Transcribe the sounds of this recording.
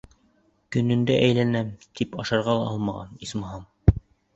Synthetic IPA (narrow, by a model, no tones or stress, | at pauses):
kɵ̆nɘ̆nd̪æʔæjlænæmt̪ipɑʃɑɾʁɑlˠɑɑlˠmɑʁɑ̰nismɑɦɑm